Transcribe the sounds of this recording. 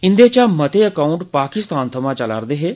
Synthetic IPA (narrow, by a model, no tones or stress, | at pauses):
ɪ̃nd̪eːt͡ʃaːmət̪eːəkaːʊɳʈpaːkɪst̪aːnt̪ʰəmãːt͡ʃəla̰ɾd̪eːɦeː